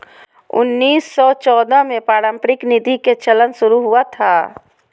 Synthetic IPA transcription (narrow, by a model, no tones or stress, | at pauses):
ʊ̰nːiːsːɔt͡ʃɔːd̪amẽpaːɾə̃mpɾɪknɪd̪ʱiket͡ʃələnʃʊɾuɦuat̪ʰaː